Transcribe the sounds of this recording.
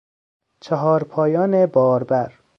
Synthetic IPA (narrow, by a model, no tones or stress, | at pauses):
t͡ʃʰeɦɒːɾpʰɒːjɒːnebɒːɾbæɾ